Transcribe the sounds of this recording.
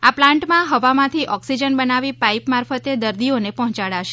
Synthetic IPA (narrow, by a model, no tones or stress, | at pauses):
aplãɳʈmãɦəʋamãt̪ʰiʔɔksid͡ʒənbənaʋipaipmaɾfət̪ed̪əɾd̪ionepɔɦt͡ʃaɽaʃe̥